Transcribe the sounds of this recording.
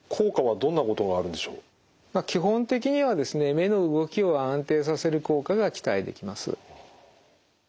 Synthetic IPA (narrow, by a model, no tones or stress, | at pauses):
kʰo̞ːkaβad̪õ̞nːako̞t̪o̞ɡaːɾɯ̟̃nd̪e̞ɕo̞ː | makʲiɦõ̞nt̪e̞kʲiɲ̟iβad̪e̞sɨne̞me̞no̞ɯ̟ɡo̞kʲio̞ãnt̪e̞ːs̬ase̞ɾɯ̟ko̞ːkaɡakʲi̥t̪aid̪e̞̰kʲimasɨ̰